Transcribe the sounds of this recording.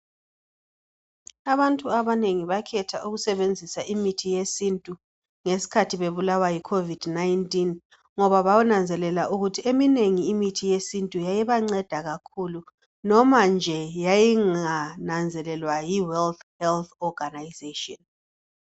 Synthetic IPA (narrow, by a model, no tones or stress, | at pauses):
aβantʼuaβaneŋiβakʰɛtʰaʔuɣusɛβend͡zʱisaʔimitʰijesintʼu | ŋesi̥kʰatʰiβeβulawajikʰovid̥najntʼin | ŋɔβaβawunand͡zʱɛlɛlaʔuɣutʰiemineŋiːmitʰijesintʼujajiβaŋ͡ǀɛd̥ʱaɣakʰulu | nɔmand͡ʒʱɛjajiŋanand͡zʱɛlɛlwajiwɛlt̪hɛlθɔɡanajzetʼɔn